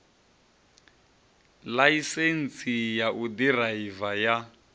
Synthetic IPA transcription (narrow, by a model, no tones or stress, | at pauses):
laisen̩sijaʔudiraivaja